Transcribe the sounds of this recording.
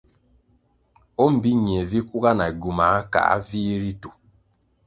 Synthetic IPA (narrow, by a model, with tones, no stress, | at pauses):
o˦m̩˨bi˦ɲ˨e˨vi˦ku˦ka˦na˨ɡu˨ma˨˦ka̰˨a̰˦vi˦ɾi˦tu˨